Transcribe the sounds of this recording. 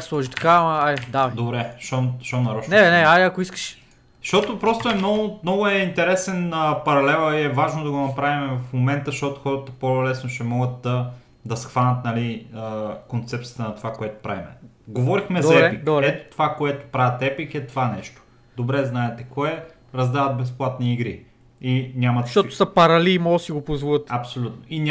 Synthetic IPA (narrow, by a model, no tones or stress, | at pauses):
slˠɔʒit̪ɐ̥kamɐad̪ad̪obɾɛʃoʃɔnɐɾɔt͡ʃnɛnɛaiɐkʊiskə̥ʃ | ʃt̪ɔt̪opɾɔst̪oɛmnɔɡʊmnɔɡʊɛint̪ɛɾɛsɛnəpɐɾɐlɛlˠəiɛvaʒnod̪ɐɡonɐpɾavimɛvɐfmomɛnt̪əʃt̪ot̪ʊxɔɾət̪əpolɛsnoʃɛmɔɡət̪̚d̪ɐ | d̪ɐsxvanʲət̪nɐliəkont̪sɛp̚t̪sʲijə̥t̪ənɐt̪ovakoɛt̪o̥pɾa̰vimɛ̰ | ɡovɔɾixmɛzɐɛpikɾɛt̪o̥t̪ovakoɛt̪o̥pɾavʲət̪ɛpikɛt̪ovanɛʃt̪o̥ | d̪obɾɛznaɛt̪ɛkɔɛ | ɾɐzd̪avɐt̪̚bɛsplˠat̪niːɡɾi | inʲamɐt̪ʃɔto̥sɐpɐɾɐlimosiɡopozvuət̪ɐpsolʲut̪noinʲ